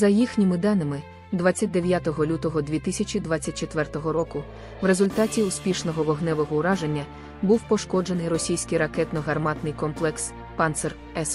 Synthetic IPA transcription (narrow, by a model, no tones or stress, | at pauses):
zɐjixnʲimɪd̪ɑnɪmɪ | d̪ʋat͡sʲːɐt̚ʲd̪eʋʲjat̪ɔɦɔlʲut̪ɔɦɔd̪ʲʋʲit̪ɪsʲɐt͡ʃʲid̪ʋat͡sʲːɐt̚ʲt͡ʃet̪ʋɛrt̪ɔɦɔɾɔkʊ | ʋɾe̞zʊlʲt̪ɑtʲiʊspʲiʃnɔɦɔʋɔɦnɛʋɔɦɔʊɾɑʒenʲːɐ | buwpɔʃkɔd͡ʒe̞nɪjɾɔsʲijsʲkɪjɾɐkɛt̪nɔɦɐrmɑt̪nɪjkɔmplˠɛks | pɑnt̪sɛr | ɛs